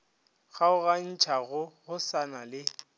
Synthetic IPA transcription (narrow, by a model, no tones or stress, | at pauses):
ɣaʊɣan̩t͡ʃʰaɣʊɣʊsanalɪ